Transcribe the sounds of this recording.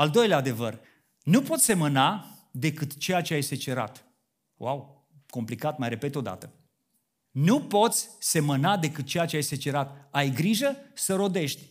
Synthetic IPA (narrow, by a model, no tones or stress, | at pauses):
ald̪o̞jleaːd̪e̞vər | nupo̞t̪sʲse̞məna | d̪e̞kɨt̪t͡ʃejat͡ʃeajse̞t͡ʃe̞ɾa̰t̪ | waw | ko̞mplikat̪majɾe̞pe̞t̪o̞d̪a̰t̪ə | nupo̞t̪sʲse̞mənad̪e̞kɨt̪̚t͡ʃejat͡ʃeajse̞t͡ʃe̞ɾat̪ajɡɾiʒəsəɾo̞d̪e̞ʃt̪ʲ